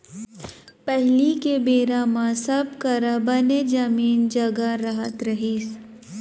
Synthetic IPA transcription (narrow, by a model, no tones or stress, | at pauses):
pɛɦlikebeːɾamãsɐb̚kɐɾabaned͡ʒɐmiːnd͡ʒɐɡaɾɐɦət̪ɾɐɦiːs